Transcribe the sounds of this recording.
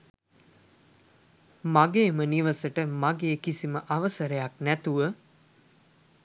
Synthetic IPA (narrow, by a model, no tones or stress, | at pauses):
maɡeːməniʋəsəʈəmaɡeːkisiməʔaʋəsəɾəjaknæt̪uʋə